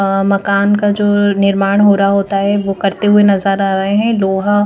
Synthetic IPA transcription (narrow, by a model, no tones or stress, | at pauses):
mɐkaːnkad͡ʒoːnɪɾmaːɽ̃ɦoːɾɦaɦoːt̪aɦɛʋoːkɐɾt̪eɦʊenɐzəɾaːɾɐɦẽɦɛ̃loːɦa